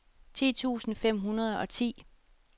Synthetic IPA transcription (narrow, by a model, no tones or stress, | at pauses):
t͡sʰḭːt͡sʰṵːsn̩fem̰ɦunɐð̞ˠɒ̽t͡sʰḭː